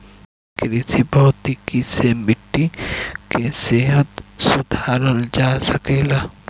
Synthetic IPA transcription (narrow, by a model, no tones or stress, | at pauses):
kɾesibɔɦt̪ikisemɪʈːikeseɦət̪sʊd̪ʱaːɾəld͡ʒaːsəkeːlaː